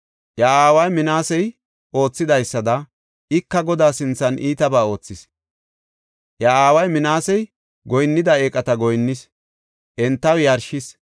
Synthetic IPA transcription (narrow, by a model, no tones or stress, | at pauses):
ʔjɐaːwɐjmɪnaːsɛj | ʔo̞ːt͡sːɪd̪ɐjsːɐd̪ɐ | ɪkːɐɡɔd̪aːsɪnt͡sːɐnʔiːt̪ɐbaːo̞ːt͡sːɪs | ʔjaaːwɐjmɪnaːsɛj | ɡɔjnːɪd̪ɐeːkʼɐt̪ɐɡɔjnːɪs | ʔɛnt̪ːɐwjɐɾʃɪs